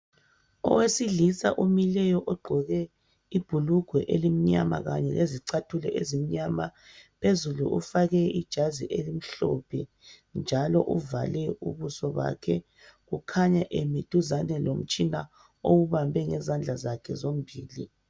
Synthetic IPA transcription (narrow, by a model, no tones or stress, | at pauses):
ɔ̰wesiɮisa̰ʔumilɛjɔʔɔɡ͡ǃʱɔɣɛ | ib̥ʱuluɡ̥ʱwɛʔelim̩ɲama̰ɣa̰ɲɛ̰ɣeziǀatʰulɛ̰ʔezim̩ɲamapʰezulṵʔṵfaɣɛid̥ʒ̥ʱazḭʔelim̩ɬɔ̰pʰɛ | nd͡ʒʱalɔʔuvalɛṵβusɔβa̰kʰɛ | ɣukʰaɲaʔemid̥ʱuzanɛlom̩t͡ʃʼina | owuβambʱɛŋɛzand͡ɮʱazakʰɛ̰zom̩bʱiːli